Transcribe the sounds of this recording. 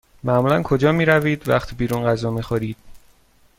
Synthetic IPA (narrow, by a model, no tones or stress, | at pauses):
mæmuːlænkʰod͡ʒɒːmiːɾæviːd̪væχt̪ʰibiːɾunɢæzɒːmixoɾiːd̪̥